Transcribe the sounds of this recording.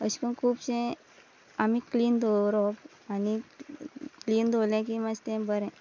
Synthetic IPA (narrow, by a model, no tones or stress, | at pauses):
əɕkənkʰuːbɕẽ | amikliːnd̪oɾɔp | ani | kliːnd̪ʱolẽk̬imad͡ʑt̪ẽbəɾɛ̃